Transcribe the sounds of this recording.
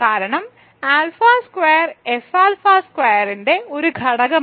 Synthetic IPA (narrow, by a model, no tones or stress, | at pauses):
kaːɾɐɳɐm | aːlfaːskwejɐrefaːlfaːskwejɐɾinde̞o̞ɾuɡʱɐɽɐɣɐ